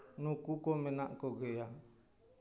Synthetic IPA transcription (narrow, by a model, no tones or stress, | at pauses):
nukukomenaʔkɔɡeja